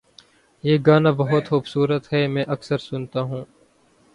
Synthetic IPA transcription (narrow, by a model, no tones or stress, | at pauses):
jeːɡaːnaːbɐɦʊt̪xuːbsuːɾət̪ɦɛːmɛ̃ːʔɐksəɾsʊnt̪aːɦũː